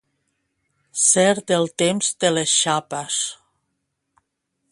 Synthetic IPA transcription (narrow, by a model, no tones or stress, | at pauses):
sɛɾt̪elˠt̪emzd̪elesʃapes